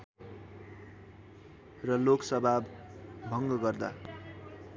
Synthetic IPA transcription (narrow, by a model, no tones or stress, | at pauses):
rʌloksʌbʱabːʱʌŋɡʌɡʌrd̪a̰